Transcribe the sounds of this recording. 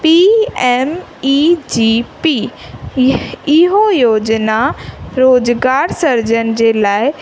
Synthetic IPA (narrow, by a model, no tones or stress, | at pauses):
piɛːm | id͡ʑiːpi | ɪɦojoːd͡ʑnaɾoːd͡ʑɡaːɾsɐɾd͡ʑənd͡ʑeːlaːɪ